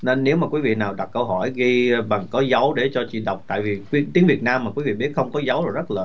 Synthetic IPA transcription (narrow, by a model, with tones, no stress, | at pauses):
ne˧nːe˨˦wmaː˨˩kwi˨˦vḭ˧˨naː˨˩wɗa˨˩t̚kə˧wɦɔ˧˩jɣi˧ɓa˨˩ŋkɔ˨˦zə˨˦wɗe˧˩t͡ɕɔ˧t͡ɕḭ˧˨ɗə˨˩wk͡p̚t̪a̰ː˧˨jvi˨˩kwi˨˧˦t̪i˨˦əŋvi˨˩ət̚naː˧mː˨˩kwi˨˦vḭ˧˨ɓi˦˥ət̚xə˧wŋ͡mkɔ˨˦zə˨˦wzo˨˩jzə˦˥t̚laː˨˩